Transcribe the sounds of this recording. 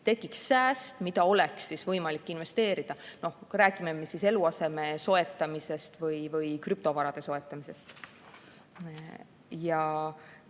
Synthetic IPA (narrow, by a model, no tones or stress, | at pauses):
t̪e̞ɡiksːæːst̪mid̪ɑo̞leksːisvɤjmɑlikːinve̞st̪e̞ːɾid̪̥ɑno̞hræːɡ̥ime̞mesise̞luɑse̞me̞so̞e̞t̪ːˑɑmise̞st̪vɯjvɯjkryp̚t̪o̞vɑɾɑd̪̥e̞so̞e̞t̪ːˑɑmise̞st̪ | jɑ